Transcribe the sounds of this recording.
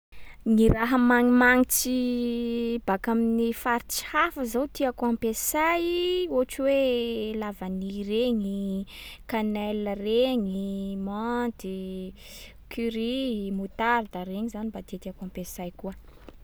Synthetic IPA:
niɾaɦəmaŋimaŋit͡si | bakaminifaɾit͡si̥hafəzawt̪iakuampesajoʈ͡ʂiwelavanireɲi | kanɛləreɲimant̪i | kyɾimut̪aɾd̪aɾeɲizanibat̪et̪iakuãmpesajkuə

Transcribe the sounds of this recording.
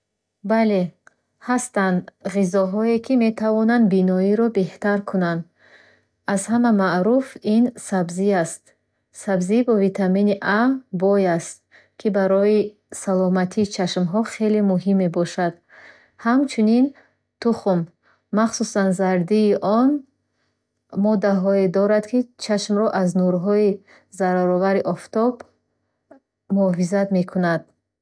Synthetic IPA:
bale̞ | hast̪and̪ʁizɔɦɔekʰime̞t̪ʰavɔnand̪binɔiɾɔbe̞ht̪aɾkʰunand̪ | azhamamaʔɾufinsabziast̪ | sabzibɔvit̪ʰaminiʔabɔjast̪̚ | kʰibaɾɔi | salɔmat̪ʰiːt͡ʃʰaʃmɦɔχe̞lemuɦimebɔʃad̪̥ | hamt͡ʃʰunin | t̪ʰuχumː | aχsusanzaɾd̪iːʔɔn | mɔd̪aɦɔed̪ɔɾad̪kʰit͡ʃʰaʃmɾɔʔaznuɾɦɔi | zaɾaɾɔvaɾiʔɔft̪ɔb | muɔfizat̪me̞kʰunad̪̥̚

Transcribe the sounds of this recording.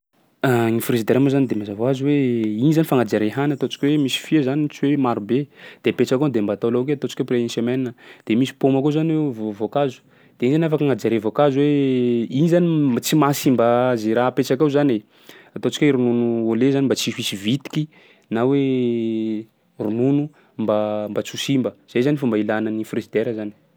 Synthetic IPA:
aŋifrezid̪eɾamozanid̪emazavoaziweinizanifaŋad͡ʒaɾeɦanat̪ot͡si̥kʲwemisi̥fiezanint͡siwemaɾubed̪̥epet͡ʃakond̪embat̪olok̬eat̪ot͡ʃi̥kʲopɾeiisameninəd̪̥emisi̥pomakozanwevvokazu̥ | d̪̥einizanafakaŋad͡ʒaɾevokazuweinizanit͡simasimbazeɾaɦpet͡ʃakauzane | at̪ot͡si̥kʲeɾununuolezanimbat͡sifisivit̪i̥kʲi | nawe | rununu | mbambat͡susimbəz̥ejzanifumbailanənifrizid̪eɾəzani̥

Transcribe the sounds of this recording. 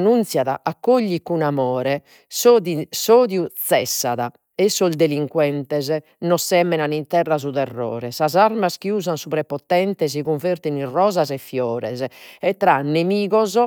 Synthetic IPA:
nunt̪sjaða̰ʔakːoʎːikunamɔːɾɛ | soðisoːðjut̪sɛsːaða | ɛsːɔld̪eliŋkwɛnt̪ɛzɛ | nɔsːɛmːɛnanint̪ɛrːazuðɛrːɔ̰ːɾɛsazaɾmaskiuːzansupɾɛpɔt̪ɛnt̪ɛz̬iɣuɱveɾt̪inirɔːzazɛfːjɔːɾɛ̰zɛɛt̪ːɾanːemiːɣɔzɔ

